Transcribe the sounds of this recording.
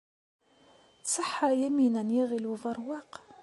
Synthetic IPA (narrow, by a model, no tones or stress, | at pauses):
səħːajæminænjiʁiluvɑɾˤwɑq